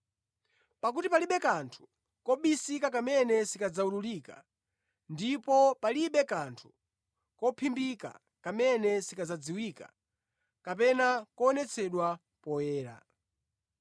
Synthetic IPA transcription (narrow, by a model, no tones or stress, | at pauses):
pak̬utipaliɓɛkantʰu̥ | kɔɓisikakamɛnɛsikad͡zaululiːka̰ | ndipɔpaliɓɛkantʰu̥ | kɔpʰimbika̰ | kamɛnɛsikad͡zad͡ziwika̰ | kapɛnakɔːnɛt͡sʰɛɗwa | pɔjɛːɾa̰